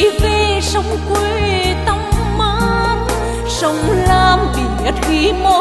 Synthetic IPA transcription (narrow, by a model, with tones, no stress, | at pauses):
ve˧˩sə˧˩wŋ͡mkwe˧t̪a˧˦mː | aː˧˥n | sə˧˦wŋ͡mlaː˧mt̪i˨˩ɲə˦˥t̚xi˧˦mo˧